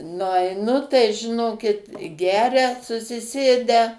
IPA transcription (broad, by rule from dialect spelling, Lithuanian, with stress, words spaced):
nʊɐɪˈnʊ tɐɪ ʒʲɪˈnoːkʲɪt ˈɡʲæːrʲɛ sʊsʲɪˈsʲeːdʲæː